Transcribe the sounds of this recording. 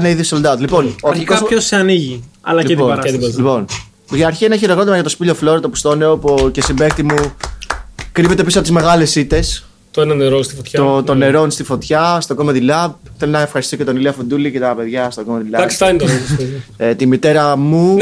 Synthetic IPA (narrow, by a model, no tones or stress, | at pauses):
neiðisold̪ɐðlipo̞noɐɾikozoseɐniʝi | ɐ̰lɐlioɐt̪lipo̞n | ʝiɐɾçieneçeɾeɣɾo̞t̪imɐʝɐt̪o̞spiloflo̞ɾɐt̪o̞pu̥st̪o̞neopoce̞simbek̚t̪imu | kɾivet̪eisoɐpot̪zme̞ɣɐle̞sit̪e̞s | t̪oenɐneɾost̪i̥fot̪çot̪o̞ne̞ɾo̞nst̪ifo̞t̪çɐst̪o̞ɡomeðilɐp̚ | θe̞lonɐefxɐɾist̪isocet̪o̞niliɐfund̪ulice̞t̪ɐpe̞ðʝɐst̪oɡomeðilɐd̪ɐksi̥ɐint̪oɐ | t̪imit̪e̞ɾɐmu